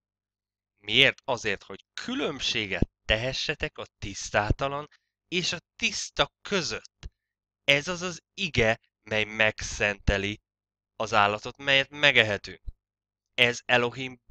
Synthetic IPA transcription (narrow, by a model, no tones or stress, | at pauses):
mieːrt̪ɒzeːrt̪ho̞ckʰylø̞mʃeːɡɛ̰t̪ːɛɦɛʃːɛt̪ɛkɒt̪ist̪aːt̪ɒlɒn | eːʃɒt̪ist̪ɒkʰø̞zø̞t̪ː | ɛzɒzɒz | iɡɛ | mɛjmɛksɛnt̪ɛli | ɒzaːlːɒt̪o̞t̪mɛjɛt̪mɛɡɛɦɛt̪yːŋk | ɛzɛlo̞ɦim